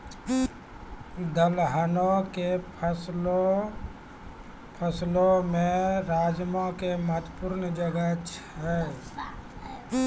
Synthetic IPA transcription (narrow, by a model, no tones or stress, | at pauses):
d̪əlɦənõkepʰs | pʰəslõmẽɾaːd͡ʒmõkemət̪pʊɾnd͡ʒəɡət͡ʃɦɛː